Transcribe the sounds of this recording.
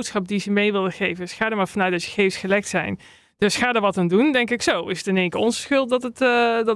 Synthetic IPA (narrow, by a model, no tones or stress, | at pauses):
wtsχɑp̚dizəmejʋɪlˠdəχejvənsχaːdəɹmaːɹvɑnœɥtdɑtjə̥χejfsχəlɛk̚tsɛ̰jn | d̥øsχaːdəɹʋɑtandundɛŋkɪksowɪsətɪneːŋkəɔnzəsxʏlˠt̚dɔtət